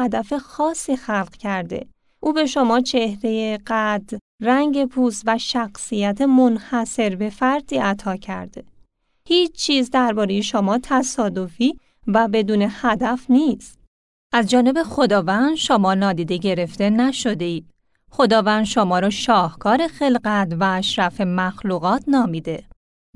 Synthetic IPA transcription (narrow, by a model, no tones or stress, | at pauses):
æd̪æfe̞xɒːsiːxælɢ̥cʰæɾd̪e̞̰ | ʔuːbe̞ʃo̞mɒːt͡ʃʰe̞hɾe̞jeɢæd̪ | ræŋɟe̞pʰuːst̪væʃæxsijæt̪ʰemonhæse̞ɾbe̞fæɾd̪iːʔæt̪ʰɒːcʰæ̰ɾd̪̥e | hiːt͡ʃʰt͡ʃʰːiːzd̪æɾbɒːɾeje̞ʃomɒːt̪ʰæsɒːd̪o̞fiː | væbe̞d̪uːne̞hæd̪æfniːst̪ | ʔæzd͡ʒɒːne̞be̞xo̞d̪ɒːvænd̪ʃomɒːnɒːd̪iːd̪eɟe̞ɾe̞ft̪e̞næʃo̞d̪e̞iːd̥ | xo̞d̪ɒːvænd̪ʃomɒːɾɒːʃɒːhkʰɒːɾe̞xe̞lɡæt̪væːʃɾæfe̞mæxluːɣɒːt̪ʰnɒːmiːd̪e̞